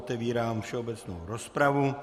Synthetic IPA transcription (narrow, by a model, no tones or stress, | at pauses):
t̪ɛviːɾaːmfʃɛobɛt͡sno̰wɾospɾavu